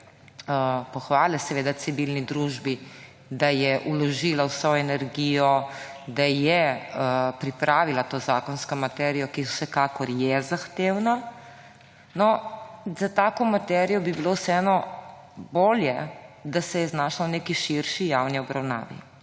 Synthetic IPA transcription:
əpɔxʋaːlɛsɛʋeːd̪at̪siʋilnid̪ɾuʒbi | d̪ajɛʔulɔʒilawsɔɛnɛɾɡijɔ | d̪ajɛəpɾipɾʔaːʋilat̪oːzaːkɔnskɔmat̪ɛɾijɔkiwsɛkaːkɔɾjɛzaxt̪eːwna | nɔzat̪aːkɔmat̪ɛɾijɔbibilowsɛɛnɔ | boːljɛd̪asɛjɛznaːʃawneːkiʃiɾʃijawniɔbɾawna̰ːʋḭ

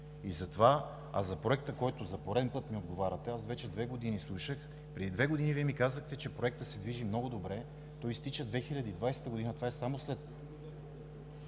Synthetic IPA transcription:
izɐt̪ova | a̰zɐpɾoɛk̚t̪əkɔjt̪ozɐpoɾɛd̪ɛnpɤt̪miod̪ɡovaɾʲɐt̪ɛasvɛt͡ʃɛd̪vɛɡod̪inislˠuʃəx | pɾɛd̪id̪vɛɡod̪iniviɛmikazəxt̪ɛt͡ʃɛpɾoɛk̚t̪əsɛd̪viʒimnɔɡʊd̪obɾɛ | t̪ɔjst̪it͡ʃəd̪vɛxilʲɐd̪id̪vajsɛ̥t̪əɡod̪inət̪vaɛsamoslɛt̪

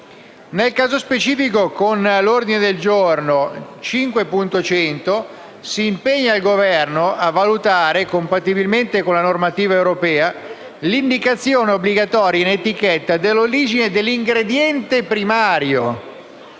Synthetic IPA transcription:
nelkaːzospet͡ʃiːfikokonlord̪ined̪eld͡ʒornot͡ʃiŋkwepunt̪ot͡ʃɛnt̪o | siːmpeɲːaːlɡovɛrnoʔavːalut̪aːɾekompat̪ːibilment̪ekonlanormat̪iːvaewɾopɛːa | lind̪ikat̪sːjoːneobliɡat̪ɔːɾjanet̪ik̟ɛt̪ːad̪elːoɾiːd͡ʒined̪elːiŋɡɾed̪jɛnt̪epɾimaːɾjo

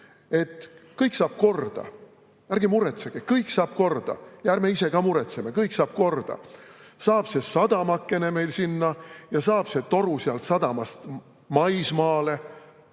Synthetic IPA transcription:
e̞t̪ˑkɤjksɑːb̥̚ko̞rd̪̥ɑ̰ | ærɡ̥imuɾet̪seɡ̥ekɤjksɑːb̥̚ko̞rd̪̥ɑ̰jæːɾmeise̞ɡɑːmuɾet̪seme̞kɤjksɑːb̥̚ko̞rd̪̥ɑ̰ | sɑːb̥se̞sɑd̪̥ɑmɑkːe̞ne̞me̞jlsinːɑjɑsɑːb̥se̞t̪o̞ɾusiɑlt̪sɑd̪̥ɑmɑst̪ | mɑjsmɑːle̞

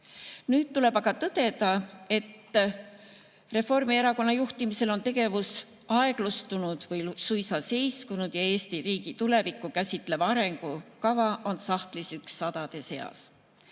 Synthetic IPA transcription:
nyːd̪̥̚t̪ːule̞bɑɡ̥ɑt̪ɤd̪̥e̞d̪̥ɑe̞t̪ː | re̞fo̞rmie̞ɾɑko̞nːɑjuht̪imise̞lo̞nt̪e̞ɡ̥e̞vus | ɑe̞ɡ̥lust̪unud̪̥vɤjsujsɑse̞jskunud̪̥jɑe̞ːst̪iriːɡ̥it̪ule̞vikˑːukæsʲit̪ˑle̞vɑɑɾe̞ŋɡ̥ukɑvɑʔo̞nsɑht̪lisyksːɑd̪̥ɑd̪̥e̞se̞ɑ̰s

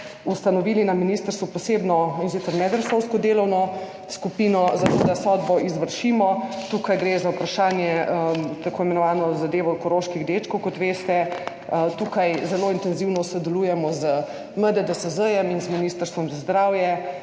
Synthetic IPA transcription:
ust̪anɔʋiːlinaminist̪əɾst̪ʋupɔsebnɔins̬it̪səɾmɛd̪ɾəsowskɔd̪eːlɔwnɔ | skupiːnɔzat̪od̪asɔd̪bɔizʋəɾʃimɔt̪ukajɡɾezaupɾaʃaːnjɛt̪akoːimɛnɔʋaːnɔzad̪eːʋɔkɔɾoːʃkiɣd̪et͡ʃkowkɔt̪ʋeːst̪ɛ | t̪uːkajzɛloːint̪ɛnziwnɔsɔd̪ɛlujɛmɔzə | məd̪ɛd̪ɔsəzəjɛminzminiːst̪əɾst̪ʋɔmzazd̪ɾaːwjɛ

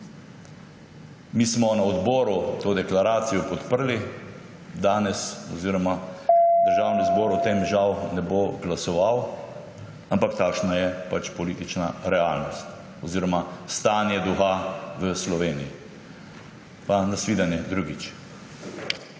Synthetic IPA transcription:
miːsmɔnaɔd̪bɔːɾut̪oːd̪ɛklaɾaːt̪sijɔpɔt̪pəɾli | d̪aːnɛsɔziːɾɔmad̪əɾʒawnizbɔːɾɔt̪emʒawnɛboɡlasɔʋaw | ampakt̪aːkʃnajɛpat͡ʃpɔliːt̪it͡ʃna̰ɾɛaːlnɔst̪ | ɔziːɾɔmast̪aːnjɛd̪uxaʋəslɔʋeːniji | panasʋiːd̪anjɛd̪ɾuːɡit͡ʃ

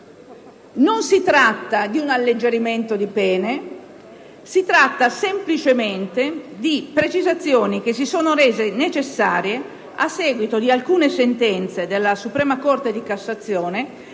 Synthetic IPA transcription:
nonsit̪ɾat̪ːad̪iunalːed͡ʒeɾiment̪od̪ipɛːne | sit̪ɾat̪ːasemplit͡ʃement̪ed̪ipɾet͡ʃizat̪sːjoːnik̟esːisoːnoɾeːzenet͡ʃesːaːɾje | asːɛːɡwit̪od̪ialkuːnesent̪ɛnt̪sed̪elːasupɾɛːmakort̪ed̪ikasːat̪sːjɔːne

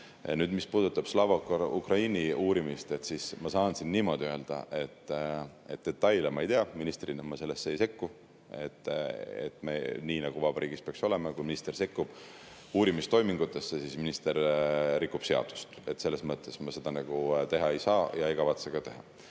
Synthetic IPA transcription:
nyːd̪mispuːd̪ut̪ːˑɑb̥slɑvɑkukrɑiniuːɾimist̪et̪sismɑsɑːnsinːiːmo̞d̪ʲiøeld̪̥ɑ̰ʔe̞t̪ː | e̞̰t̪̚d̪̥e̞t̪ːɑjlemɑejt̪eɑminist̪rinɑmɑse̞lːe̞sːeejse̞kːu | e̞̰t̪ːḛt̪ːˑmḛniːnɑɡ̥uvɑb̥ɑɾʔiːɡ̥ispeɑkso̞le̞mɑkujminist̪e̞rse̞kːub̥ | uːɾimist̪o̞jmiŋɡ̥ut̪ːˑe̞sːesisminist̪e̞ɾːikːˑub̥se̞ɑ̰d̪̥u̥st̪e̞t̪ːse̞lːe̞smɤt̪ːˑe̞smɑse̞d̪̥ɑnɑɡ̥ut̪e̞ɦɑejsɑːjɑejkɑvɑt̪seɡ̥ɑt̪e̞ɦɑ̰

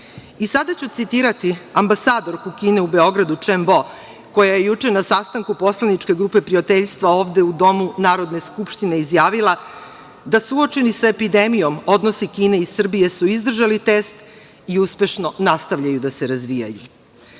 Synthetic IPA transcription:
isad̪at͡ɕut̪sit̪iːɾat̪iambasaːd̪o̞ɾkukiːne̞ube̞o̞ɡɾad̪ut͡ʂembo̞ | ko̞jaje̞jut͡ʂe̞nasast̪aŋkupo̞slanit͡ʃke̞ɡɾuːpe̞pɾiat̪eʎst̪ʋao̞ːvd̪e̞ud̪o̞munaːɾo̞d̪ne̞skupʃt̪ine̞izjaːʋilˠa | d̪asuo̞t͡ʃe̞nisaepid̪emijo̞mo̞d̪no̞sikiːne̞isr̩bije̞suizd̪r̩ʒalit̪est̪ | iuspe̞ʃno̞nast̪aʋʎajud̪aseɾazʋija̰ju

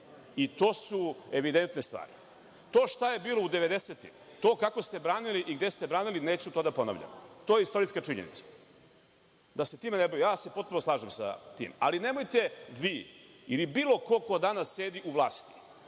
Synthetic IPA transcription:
it̪o̞ːsueʋid̪e̞nt̪ne̞st̪ʋa̰ːɾḭ | t̪o̞ːʃt̪aje̞biːlˠo̞ud̪eʋe̞d̪eset̪ḭm | t̪o̞ːkako̞st̪e̞bɾaːniliʔiɡd̪est̪e̞bɾaːnilineːt͡ɕut̪o̞ːd̪apo̞na̰ʋʎa̰mt̪ojeist̪o̞ɾiskat͡ʂiɲḛnḭt̪sḁ | d̪ase̞t̪iːmenebojijaːse̞pot̪punoslˠaːʒemsa̰t̪ḭːma̰line̞mo̞jt̪e̞ʋiː | ilibiːlˠo̞ko̞kod̪anasːe̞ːd̪iʔuʋlˠaːst̪i̥

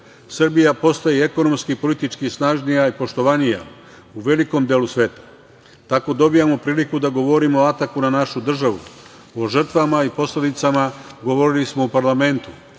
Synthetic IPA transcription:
sr̩bijapo̞st̪ajeeko̞no̞mskipo̞lit̪it͡ʃkisnaʒnijaipo̞ʃt̪o̞ʋanija̰ | uʋe̞liko̞md̪eːlusʋe̞ːt̪ḁ | t̪ako̞d̪o̞bijamo̞pɾiːlikud̪aɡo̞ʋo̞ɾimoat̪akunanaʃud̪r̩ʒaʋṵ | o̞ʒər̩t̪ʋamaipo̞sle̞d̪it̪samaɡo̞ʋo̞ɾilismo̞upaɾlame̞nt̪u

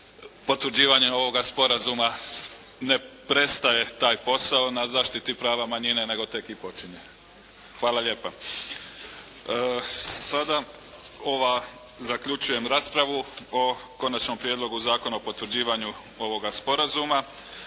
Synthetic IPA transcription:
po̞t̪ʋɾ̩d͡ʑiːʋaɲe̞o̞ʋo̞ɡaspo̞ɾazuma | ne̞pɾe̞st̪aje̞t̪aːjpo̞saonazaːʃt̪it̪ipɾaːʋamaɲine̞ne̞ɡo̞t̪e̞kipo̞t͡ʃiɲe̞ | xʋaːlaʎe̞ːpa | sad̪a | o̞ʋa | zakʎut͡ʃuje̞mɾaːspɾaʋuoko̞nat͡ʃno̞mpɾjed̪lˠo̞ɡuzaːko̞naopo̞t̪ʋɾ̩d͡ʑiːʋaɲu | o̞ʋo̞ɡaspo̞ɾazuma

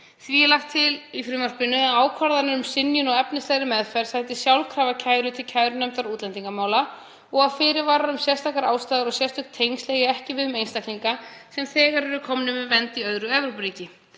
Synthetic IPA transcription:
θviɛlaxt̪ʰːɪlifɾɪːmar̥pɪnːʏaaːwkʰvaɾðanʏɾʏmsɪnjʏnɔɣɛpnɪst̪ɛɣɾɪmɛðfajɾ̥sajt̪ɪsjawlkʰɾaːvacʰaːjɾʏt̪ʰɪlcʰajɾʏnœmt̪aɾuːt̪lɛnt̪iŋkamaːwla | ɔɣaðfɪːɾɪvaːɾaɾʏmsjɛst̪ʰaːkaɾaːwst̪aːðɾɔɣsjɛr̥st̪ʰʏkt̪ʰːejnstlɛɣɪɛhcɪvɪðʏmejnst̪ahklniŋkasɛmθɛːɣaɾɛɾʏkʰɔmnʏmʏvɛnt̪iœðɾʏɛvɾowpɾiːcɪ

